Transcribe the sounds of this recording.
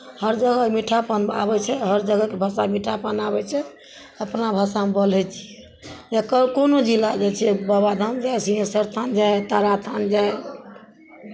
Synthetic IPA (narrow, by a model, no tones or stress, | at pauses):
həɾd͡ʒəɡəmiʈʰapənba̰bɛt͡ʃʰɛɦəɾd͡ʒəɡəkebʱəsamiʈʰapənabɛt͡ʃʰɛ | əpnabʱəsamebəlɛt͡ʃʰiɛ | jakəkonod͡ʒilad͡ʒɛt͡ʃʰɛbabad̪ʱəmd͡ʒajsiɦẽsəɾt̪ʰand͡ʒajt̪aɾat̪ʰand͡ʒae